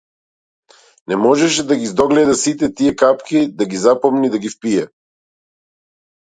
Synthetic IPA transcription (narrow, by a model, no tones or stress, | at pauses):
nɛmɔʒɛʃɛd̪aɡizd̪ɔɡlɛd̪asit̪ɛt̪ijɛkapkid̪aɡizapɔmnid̪aɡifpiɛ